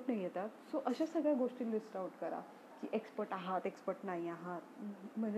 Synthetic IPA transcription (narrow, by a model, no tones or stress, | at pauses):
ʈnaijet̪at̪soʔəɕasəɡɭjaɡoʂʈiːnlisʈauʈkəɾa̰ | kḭʔekspəɾʈaɦat̪ekspəɾʈnaiaɦat̪̚m̤əɳd͡z